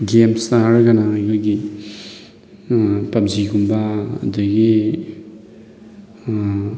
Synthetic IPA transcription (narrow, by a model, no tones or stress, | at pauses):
ɡemsaɾɡanaːjkʰojɡi | pap̚ziɡumbaɐ̰daɡi